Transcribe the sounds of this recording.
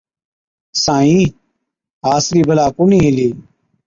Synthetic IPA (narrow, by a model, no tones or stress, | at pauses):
sãːĩː | ɦaːsliːbʱəlaːkʊnĩːɪliː